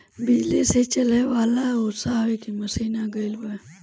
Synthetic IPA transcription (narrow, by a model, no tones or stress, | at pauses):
bɪd͡ʒliset͡ʃəleʋaːlaosaɦekimɐsiːnaɡəilbə